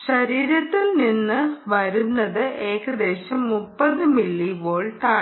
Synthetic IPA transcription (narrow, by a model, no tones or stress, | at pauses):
ɕɐɾiːɾɐt̪ːilninːɨʋɐɾunːɐðɨʔe̞ːkɐd̪e̞ːɕɐmːupːɐðɨmiɭːiʋoːɭʈaː